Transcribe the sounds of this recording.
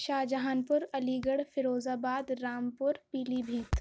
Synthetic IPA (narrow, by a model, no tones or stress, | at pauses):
ʃaːd͡ʒɐɦaːnpʊɾɐliːɡəɽfɪɾoːzaːbaːd̪ɾaːmpʊɾpiːliːbʱiːt̪